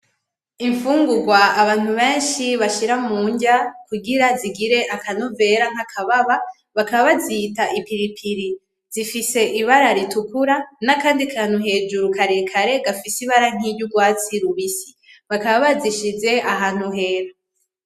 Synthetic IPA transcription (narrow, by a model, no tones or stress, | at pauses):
iɱfuːŋɡuɾɡwaaβaːn̥huβe̞ːnʃiβaʃiɾamuːɲɟakuɡiɾaziɡiɾe̞ʔakanove̞ːɾaŋ̥akʰaβaβa | βakaβaβazitaʔipiɾipʰiɾi | zifise̞ʔiβaɾaɾitukuɾanakaːndikʰaːn̥uɦe̞ːd͡ʒuɾukaɾe̞kʰaɾe̞ɡafisiβaɾaŋ̥iɟuɡwaːt͡siɾuβisi̥ | βakaβaβaziʃize̞ʔaɦaːn̥huɦe̞ːɾa